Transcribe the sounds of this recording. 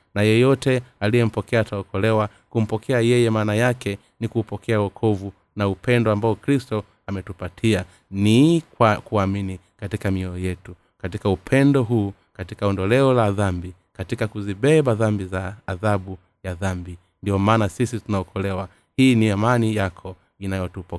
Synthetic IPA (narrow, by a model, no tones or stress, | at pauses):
najɛjɔtɛalijɛm̩pɔkɛaːtaɔkɔlɛwa | kum̩pɔkʰɛajɛjɛmaːnajakɛ | nikuːpɔkʰɛawɔkʰɔvu | naupɛndɔambaɔkɾistɔ | amɛtupatʰia | nikwakuamini | katikamiɔjɛtu | katikaupʰɛndɔɦuː | katikaɔndɔlɛɔlaðambi | katikakuziɓɛɓaðambizaːðaɓu | jaðambi | ndiɔmaːnasisitunaɔkʰɔlɛwa | hiːniamanijakʰɔ | inajɔtupɔ